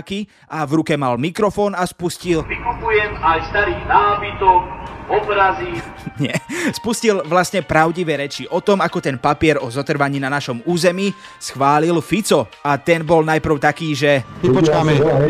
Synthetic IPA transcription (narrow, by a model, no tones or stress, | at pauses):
ki | ʔaʋɾukɛmalmikɾɔfɔːnaspuscilʋikupujɛmajst̪aɾiːɣnaːbit̪ɔkɔbɾaziɲɛspuscilʋlasɲɛpɾaʊɟiʋɛːɾɛt͡ʃiʔɔt̪ɔmakɔt̪ɛnpapɪɛɾɔzɔt̪r̩ʋaɲiːnanaʃɔmuːzɛmiː | sxʋaːlilfit͡sɔat̪ɛnbɔlnajpr̩ʊt̪akiːʒɛɛpɔt͡ʃkamɛ